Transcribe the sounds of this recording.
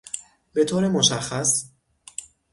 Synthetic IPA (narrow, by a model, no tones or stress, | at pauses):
be̞t̪ʰoːɾemoʃæxːæs